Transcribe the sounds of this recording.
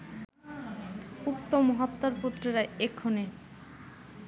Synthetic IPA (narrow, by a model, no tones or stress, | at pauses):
ukt̪omɔɦat̪ːoɾput̪ːɾiɾaekʰːone